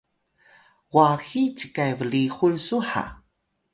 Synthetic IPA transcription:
waxit͡ɕəkajvəɭixuɭsuħa̰

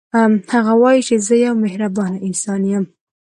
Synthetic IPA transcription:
haɣawɑjit͡ʃezəjawmehɾabɑnaɪnsɑnjam

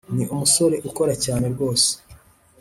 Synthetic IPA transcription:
niʔumuso̞ɾe̞ʔuko̞ɾacaːne̞ɾɡwo̞ːse̥

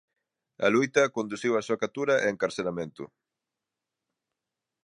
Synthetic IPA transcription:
ɐ̰lujt̪ɐkond̪usiwɐsuɐkat̪uɾɐʔeːŋkaɾselamẽnt̪ʊ̰

